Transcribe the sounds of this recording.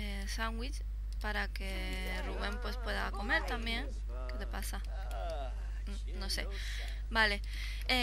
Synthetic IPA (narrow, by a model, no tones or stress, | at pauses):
e | saŋɡwit͡ʃ | paɾake | ruβempwespweðakomeɾt̪ambjeŋ | ked̪epasa | nose | bale | e